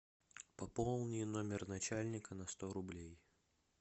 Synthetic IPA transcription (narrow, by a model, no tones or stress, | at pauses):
pɐpolˠnʲɪjnomʲɪrnɐt͡ɕalʲnʲɪkənɐst̪oɾʊblʲej